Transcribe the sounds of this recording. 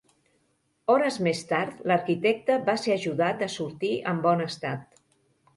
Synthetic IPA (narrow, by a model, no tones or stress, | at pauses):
ɔɾəzmest̪aɾt̪ləɾkit̪ɛk̚t̪əβaseəʒuðat̪əsuɾt̪iʔəmbɔnəst̪at̪̚